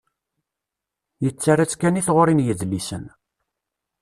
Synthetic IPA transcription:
jət͡sːaɾat͡sːkæniθʁoɾinjəðlisən

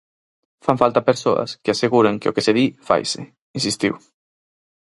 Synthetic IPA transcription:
faɱfalt̪apeɾsoa̰skeaseɣuɾeŋkeo̰keseðifa̰jse | insist̪iw

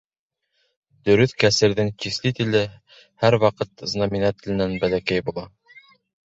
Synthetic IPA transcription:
d̪ɵ̆ɾɵθkæsɘ̆ɾðɘŋt͡ɕislɘt̪ilɘ | hæɾwɑqɤt̪znɑminɑt̪ɘ̆lɘ̆nænbælækæjbulˠɑ

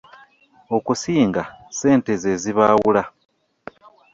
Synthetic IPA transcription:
o̞kusiːŋɡase̞ːnte̞ze̞ziβaːwula

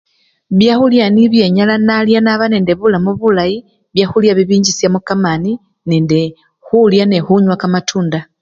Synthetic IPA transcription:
βjaxuljaniβje̞ɲalanaljanaβane̞ːnde̞βulamuβulaji | βjaxuljaβiβiːɲɟisjamukamani | neːnde | xuljane̞xuɲwakamatʰuːnda

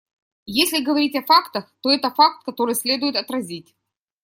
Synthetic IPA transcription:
jesʲlʲɪɡəvɐɾʲitʲɐfakt̪əxt̪o̞ɛt̪əfak̚t̪̚kɐt̪o̞ɾɨjsʲlʲe̞d̪ʊjɪt̪ɐt̪ɾɐzʲitʲ

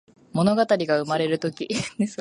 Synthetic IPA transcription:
mo̞no̞ɡat̪aɾʲiɡaɯ̟maɾe̞ɾɯ̟t̪o̞kʲis

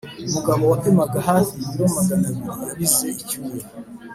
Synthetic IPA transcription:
umuɡaβowatemaɡahaiiomaɡanemujaβizeicuje

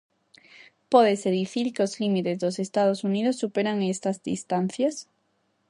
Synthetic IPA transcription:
pɔðeseðiθiɾkeozlimit̪ezðosest̪að̞osuniðosːupeɾaŋest̪ɐzðḭst̪an̟θjas

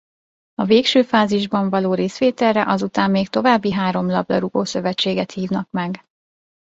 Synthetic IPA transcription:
ɒveːkʃøːfaːziʒbɒɱvɒloːɾeːsʋeːt̪ɛlːɛʔɒzut̪aːmːeːkt̪o̞vaːbːiɦaːɾo̞mlɒblɒ̰ɾuɡoːsø̞vɛt͡ʃːeːɡɛt̪hiːvnɒkmɛɡ

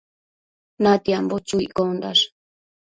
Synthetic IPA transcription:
nat̪iambot͡ʃuikond̪a̰ʂ

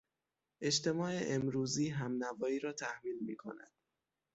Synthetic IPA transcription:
ʔe̞t͡ʃt̪e̞mɒːeʔemɾuːziːɦæmnævɒːiːɾɒːt̪ʰæhmiːlmḭːkʰo̞̰næ̰d̪̥

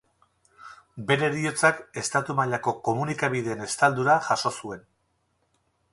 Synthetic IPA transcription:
be̞ɾe̞ɾio̞t͡sake̞st̪at̪umaʎako̞ko̞munikaβ̞iðe̞ːne̞st̪ald̪uɾaʝaʃo̞sue̞n

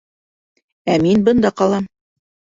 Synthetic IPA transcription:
æminbɤ̆nd̪ɑqɑlˠɑm

